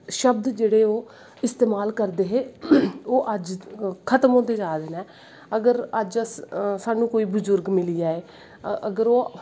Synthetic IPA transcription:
ʃəb̚d̪d͡ʒeːɽeːoː | ɪst̪eːmaːlkəɾd̪eːɦeːoːʔəd͡ʒkʰət̪əmõːt̪eːd͡ʒaːd̪eːnɛː | əɡəɾəd͡ʒssaːnũːkoːiːbʊzʊɾɡmɪliːaːeː | əɡəɾoː

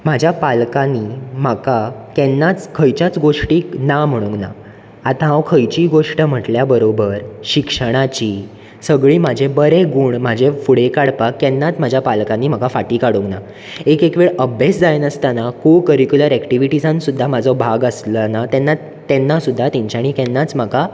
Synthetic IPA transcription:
mad͡ʑʱjapalkãnːim̤akakɛnːat͡skʰəjt͡ɕat͡sɡoʂʈiːknam̤əɽ̃ũŋɡna̰ | at̪ãɦawkʰəjt͡ɕiːɡoʂʈəm̤əʈljabəɾobəɾɕikʂəɽ̃at͡ɕiː | səɡɭiːmad͡ʑʱebəɾeɡuːɳmad͡ʑʱefuɽ̤ekaɽpakːɛnːat̪m̤ad͡ʑʱjapalkãnːiːm̤akafaʈiːkaɽuŋɡna | ekekʋeɭəbʱesd͡zajnəst̪anakokəɾikjuləɾɛkʈiʋiʈid͡zãnsud̪ʱːamad͡zʱɔbʱaɡəslənat̪ɛnːa | t̪ːɛnːasud̪ʱːat̪ɛ̃ɲt͡ɕaɽ̃ikɛnːat͡sm̤aka

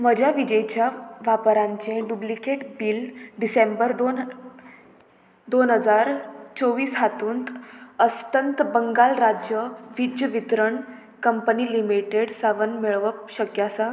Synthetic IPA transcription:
məd͡ʑʱjaʋid͡ʑəjt͡ɕjaʋapɾãɲt͡ɕẽɖublikeʈbiːlɖisembəɾd̪on | d̪onɦəd͡zaɾt͡soʋiːsɦat̪uːnt̪əst̪ənt̪bəŋɡalɾad͡ʑjəʋid͡ʑjəʋit̪ɾəɳ | kəmpəniːlimiʈeɽsaʋənmiɭʋəp̚ɕəkjasa

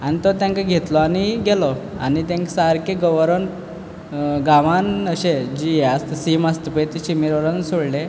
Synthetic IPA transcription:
anit̪ɔt̪jãŋkaɡʱet̪lɔaniɡɛlɔa̰nit̪jãŋksaɾkeɡəʋəɾən | ɡãʋanəɕed͡ʑijeast̪simast̪əpəet̪iɕimiɾʋəɾənsoɽle

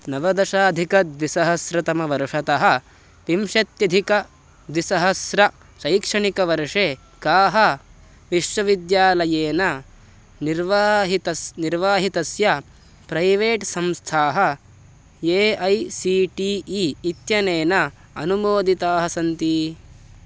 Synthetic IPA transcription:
nɐʋɐd̪ɐʃaːd̪ʱikɐd̪ʋisɐɦɐsɾɐt̪ɐmɐʋɐɾʂɐt̪ɐɦɐ̆ | ʋimʃɐt̪jɐd̪ʱikɐ | d̪ʋisɐɦɐsɾɐ | ʃɐjkʂɐɳikɐʋɐɾʂeː | kaːɦɐ | ʋiʂʋɐʋid̪jaːlɐjeːnɐ | niɾʋaːɦit̪ɐsniɾʋaːɦit̪ɐsjɐ | pɾɐjʋeːʈsɐmst̪ʰaːɦɐ | eːɐjsiːʈiːiːt̪jɐneːnɐ | ɐnumoːd̪it̪aːɦɐsɐnt̪i

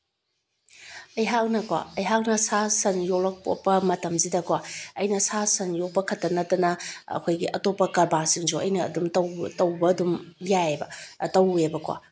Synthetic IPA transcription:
ɐjɦawnɐkwa̰ɐjɦawnɐsasɐnjoklɐk̚po̰pɐmɐtɐmzidɐkwaɐjnɐsasɐnjok̚pɐkʰɐtːɐnɐtɐnɐɐ̰kʰojɡiʔɐtopːɐkɐɾbasiŋd͡ʒuɐ̰jnɐ̰ːdumtɐwtɐwbɐːdumjaebɐtɐwebɐkwa̰

